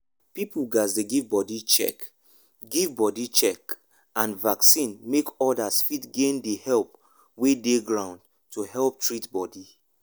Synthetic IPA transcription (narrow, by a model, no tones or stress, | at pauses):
pipulɡasdeɡivbɔdit͡ʃɛ̰k | ɡivbɔdit͡ʃɛk | ãnvaksĩnmekɔdasfitɡẽndehɛlp | wedeɡɹãʊ̃nd | tʰuhɛlˠp̚tɹitbɔdi